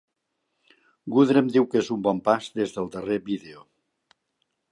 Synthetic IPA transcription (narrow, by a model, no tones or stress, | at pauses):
ɡuðɾəmd̪iwkezumbɔmpazðezðəlˠd̪əreβiðeo